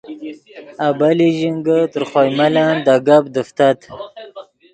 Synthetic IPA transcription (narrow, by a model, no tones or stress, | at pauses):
abaliʒiŋɡət̪əɾχɑjmaland̪aɡabd̪əft̪at̪